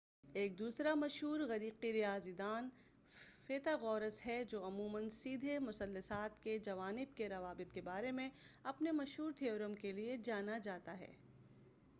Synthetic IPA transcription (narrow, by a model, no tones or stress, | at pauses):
eːk̚d̪uːsɾamɐʃɦuːɾɣɐɾiːqiɾijaːzid̪aːn | feːt̪aɣɔːɾəsɦɛd͡ʒoːɐmuːmənsiːd̪ʱemʊsɐlːəsaːt̪ked͡ʒɐʋaːnɪb̚keɾɐʋaːbɪt̪̚kebaːɾemẽɐpnemɐʃɦuːɾt̪ʰeʊɾəmkelied͡ʒaːnad͡ʒaːt̪aɦɛ̰ː